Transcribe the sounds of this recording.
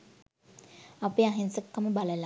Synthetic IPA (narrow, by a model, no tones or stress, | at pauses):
apeaɦensəkːaməbaləla